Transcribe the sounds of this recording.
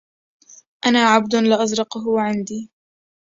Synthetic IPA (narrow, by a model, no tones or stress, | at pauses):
ʔanaːʕabd̪ʊlɪʔɑzɾɑqɦʊwaʕɪnd̪iː